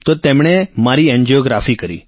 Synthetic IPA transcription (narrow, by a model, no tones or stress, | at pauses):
t̪ot̪emɽ̃emaɾiɛnd͡ʒioɡɾafikəɾḭ